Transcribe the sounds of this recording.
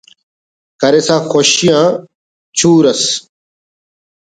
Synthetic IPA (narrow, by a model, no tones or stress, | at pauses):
kɐɾesãːxoɕijãː | t͡ɕʰuːɾɐs